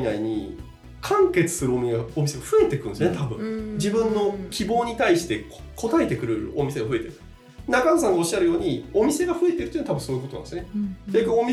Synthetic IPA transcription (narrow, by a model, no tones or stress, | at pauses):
naiɲ̟ḭ | kʰãŋke̞t͡sɨ̥sɨɾɯomʲiɡao̞mʲise̞ɡaɸɯ̟e̞t̪e̞kɯ̟nsjoet̪ʰabɯ̟̃d͡ʑibɯ̟̃nːo̞kʲʰibo̞ːɲ̟it̪aiɕi̥t̪e̞ko̞t̪ae̞t̪e̞kɯ̟ɾɯ̟o̞mʲise̞ɡaɸɯ̟e̞t̪eɾɯ | nakans̬ãŋɡao̞ɕːaɾɯ̟jo̞ːɲ̟io̞mʲise̞ɡaɸɯ̟e̞t̪e̞ɾɯt̪ojiːnːit̪abɯ̟̃so̞ːikot̪oã̰nd̪sɨne̥akɯomʲi